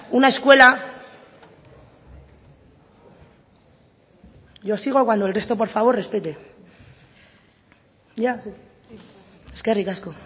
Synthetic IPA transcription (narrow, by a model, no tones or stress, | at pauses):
unae̞skwe̞la | ʝosiɣ̞okwand̪oelre̞st̪o̞p̬o̞ɾfaβ̞o̞rre̞spet̪e̞ | ja | eskerikasko̞